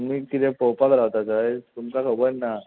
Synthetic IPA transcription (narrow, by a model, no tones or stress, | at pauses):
miːkit̪ɛ̃pɔwpakɾaʋt̪at͡saet̪umkakʰəbəɾna